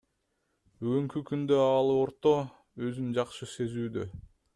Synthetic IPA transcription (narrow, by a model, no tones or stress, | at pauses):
byɡyŋkykynd̪ø̞ɑlˠɯoɾt̪o̞ | ø̞zynd͡ʒɑqʃɯse̞zyːd̪ø̰